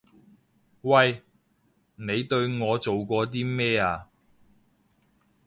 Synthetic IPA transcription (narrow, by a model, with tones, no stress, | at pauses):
wɐ˧j | ne˨˧jt̪ɵ˧ɥŋɔː˨˧t͡so˨wkʷɔː˧t̪̬iː˥mɛː˥aː˧